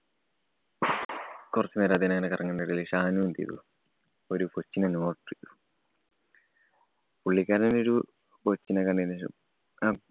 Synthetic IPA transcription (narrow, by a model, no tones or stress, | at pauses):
kurɐt͡ɕːumeːɾɐd̪inɐŋːɐnekɐrɐŋːɐɳɖɐɽiliʂaːnunt̪ḭt̪ṵ | oɾupot͡ɕːinɐnoːʈrḭt̪u | puɭːikʲːaːɾɐnɐnoɾu | pot͡ɕːinɐkɐɳɖinḛ